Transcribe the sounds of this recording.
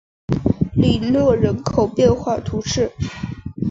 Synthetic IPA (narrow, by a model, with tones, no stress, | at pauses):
li˨˩lɤ˥˩ɻə˧˥nkʰo˨˩ʊpjɛ˥˧nxwa˥˩t̪ʰu˧˥ʈ͡ʂɻ̩˥˩